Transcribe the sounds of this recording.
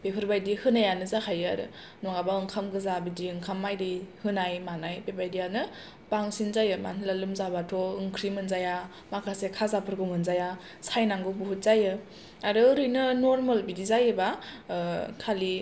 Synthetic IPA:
bepʰɯɾbajdihɯnajanɯzakʰajɯa̰ɾɯ̰ | nɔŋabaɯŋkʰamɡɯzabidiɯŋkʰamːajdɯhɯnajmanajbebajdijanɯ | baŋsinzajɯma̰nilalɯmzabatʰɔɯŋkʰɾimɯnzaja | makʰasekʰazapʰɯɾɡɔŋɯnzaja | sajnaŋɡɯbuɦut̚z̥ajɯ | aɾɯɾɯjnɯnoɾmalbidizajɯba | kʰali

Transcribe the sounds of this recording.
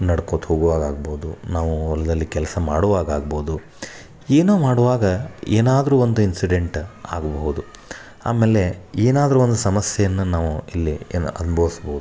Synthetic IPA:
nɐɽkoːt̪hoːɡʋaːɡaːɡboːd̪ṵnaːʋuɔlːɐd̪ɐlːikɛlɐsɐmaːɽuʋaːɡaːɡ̚boːd̪u | eːnoːmaːɽuʋaːɡɐeːnaːd̪ɐɾuːond̪uinsiɖeɳʈa̰ːɡɐboɦud̪u | a̰ːmeːle̞eːnaːd̪ɐɾuond̪usɐmɐsjɛjɐnːɐnaːʋuilːienɐ̰nɐbʱɐʋisboːud̪u

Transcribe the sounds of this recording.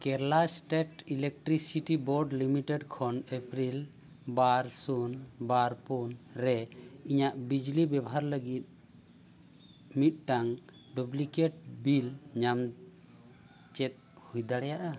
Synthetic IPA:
kɛɾlasʈeʈilek̚ʈɾisiʈibɔɾɖlimiʈɛɖkʰɔnepɾil | baɾsunbaɾpunɾɛiɲaʔbid͡ʒlibabaɦaɾləɡit̪̚ | mit̪̚ˀʈaŋ | publikeʈ̚bilɲam | t͡ʃɛt̪̚hujd̪aɽɛjaʔa

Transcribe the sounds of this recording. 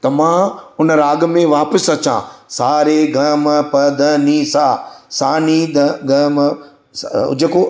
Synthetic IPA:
t̪ɐmãʊnəɾaːɡ̆mẽʋaːpəsɐt͡ɕã̰saːɾeɡɐmpɐd̪əniːsaːsaːnid̪ɡɐm | sʊ̰d͡ʑeko

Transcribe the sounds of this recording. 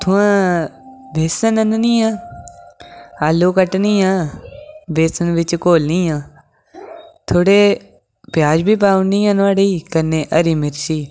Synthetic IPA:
t̪ʰʊ̃ãː | bʱeːsənənnĩːãː | aːloːkəʈnĩːãː | beːsənʋɪt͡ʃkoːlnĩːãː | t̪ʰoːɽeː | pjaːd͡ʒbʱiːp̬aːʊnĩːãnʋaːɽiːkənẽːʔəɾiːmɪɾsiː

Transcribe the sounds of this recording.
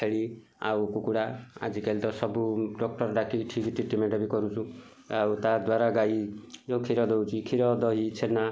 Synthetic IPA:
eɭi | a̰wkukuɽaa̰d͡ʒikelt̪ɔsɔbuɖɔk̚ʈɔɾɖakiʈʰikiʈʰiʈimeɖabikɔɾũt͡ʃʰu | awt̪ad̪waɾaɡaid͡ʒɔ̃w̃kʰiɾɔd̪ɔwt͡ʃʰikʰiɾɔd̪ɔɦit͡ʃʰena

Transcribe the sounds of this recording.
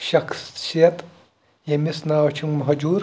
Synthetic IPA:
ʃɐksijɐt̪ | jemisnaːwt͡ʃʰummɐɦɐd͡ʒuːɾ

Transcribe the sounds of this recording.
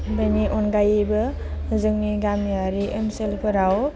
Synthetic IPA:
beniʔɔnɡajbɯ | zɯŋniɡamiaɾiʔɯmselpʰɯɾaw

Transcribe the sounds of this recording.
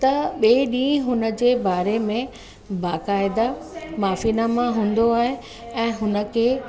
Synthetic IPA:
t̪ɐɓeːɗĩːɦʊnə̆d͡ʑeːbaːɾemẽ | baːkaːɪd̪amaːfiːnamãɦũːn̆d̪oaːɦe | ɛ̃ːɦʊnə̆kʰeː

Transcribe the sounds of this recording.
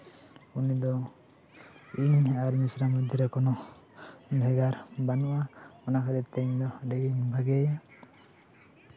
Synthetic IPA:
unid̪ɔ | iɲaɾɲisɾamud̪ʱiɾɛkɔnɔ | bʱɛɡaɾbanɔʔaɔnakʰad̪ɛt̪ɛɲd̪ɔɖɛɡiɲbʱaɡɛja

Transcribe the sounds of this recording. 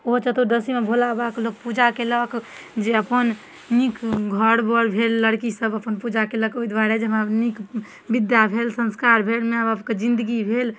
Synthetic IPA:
ot͡ʃət̪od̪əsimebʱolabaklok̚pud͡ʒakelək | d͡ʒeəpən | nikɡʱəɽbəɽbʱelːəɽkisəbəpənpud͡ʒakeləkoid̪waɾed͡ʒeɦmanik | bid̪jabʱelsə̃nskaɾbʱeɽmeəbəpked͡ʒĩnd̪əɡibʱel

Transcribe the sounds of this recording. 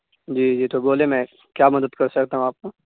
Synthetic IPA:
d͡ʒiːd͡ʒiːt̪oboːlemɛ̃ | kjaːmɐd̪əd̪kɐɾsɐkt̪aɦũaːp̚ko

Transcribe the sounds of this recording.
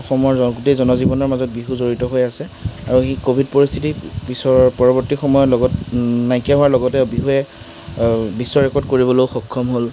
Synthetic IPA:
ɔxɔmɔɹɔɡutejzɔnɔzibɔnɔɹmazɔt̚biɦuzoɹitɔɦojasɛ | aɹuxikobʱidpoɹist̪ʰitibisɔpɔɹɔbɔɹtixɔmɔjɔlɔɡɔtnajkaɦowaɹlɔɡɔtɛbiɦuɛ | bisːɔɹɛkɔɹdkoɹibɔloʊxɔkʰːɔmɦol

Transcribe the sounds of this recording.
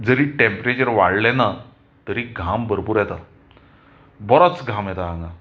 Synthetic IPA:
d͡zəɾiːʈempɾet͡ɕəɾʋaɽlɛna | t̪əɾiɡʱambəɾpuːɾjɛt̪a | bɔɾɔt͡sɡʱamjɛt̪aaŋɡa

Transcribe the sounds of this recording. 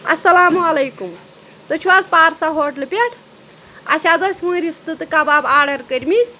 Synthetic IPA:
ɐ̰sːɐlaːmuɐlejkum | t̪ot͡ʃʰuwazpaːɾsaɦoʈlɨpʲeʈʰ | a̰sʲad̪osɦũɾist̪ɨt̪kababaːɾɖəɾkəɾʲmi

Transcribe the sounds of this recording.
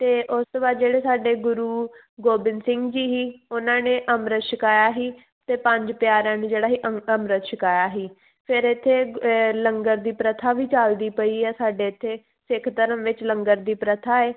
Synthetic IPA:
t̪eːʔʊst̪oːbaːd̪d͡ʒeːɽeːsaːɖeːɡʊɾuː | ɡoːbɪnsɪ̃ŋɡd͡ʒiːɦiːʊnãːneːʔəmɾət̪ʃɪkaːjaːɦiː | t̪eːpə̃ɲd͡ʒpjaːɾãːneːd͡ʒeːɽaːɦiːʔəmɾət̪ʃɪkaːjaːɦiː | pʰɪɾɪt̪ʰːeːləŋɡəɾd̪iːpɾət̪ʰaːʋiːt͡ʃaːld̪iːpəiːɛːsaːɖeːt̪ʰːeː | sɪkʰt̪əɾəmʋɪt͡ʃlə̃ŋɡəɾd̪iːpɾət̪ʰaːeː

